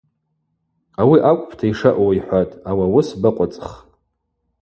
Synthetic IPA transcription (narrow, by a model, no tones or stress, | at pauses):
awiʔakʷʼpʰtʰaiʂaʔwiħʷatʼawawʊsbaqʷʼat͡sʼχʼ